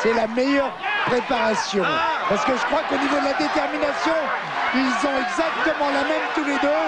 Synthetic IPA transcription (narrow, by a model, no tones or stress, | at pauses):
sɛlamejœʁpχepaʁasjɔ̃paʁsə̥kəʒəkχwakonivod̪əlad̪et̪ɛʁminasjɔ̃ | ilzɔ̃ɛɡzak̚t̪əmɑ̃lamɛmt̪uled̪ø